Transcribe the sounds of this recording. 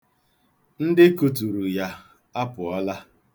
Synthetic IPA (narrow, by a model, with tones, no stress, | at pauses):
n̩˦dɪ˦ku˨tu˨ɾu˨ja˦ | a˦pʊ˨ɔ˦la˦